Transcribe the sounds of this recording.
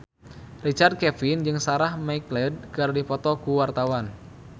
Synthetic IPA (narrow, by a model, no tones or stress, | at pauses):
rit͡ʃard̪̚kɛfind͡ʒɨŋsaɾahmaiklɛd̚kɨrdifɔt̪ɔkuwart̪awan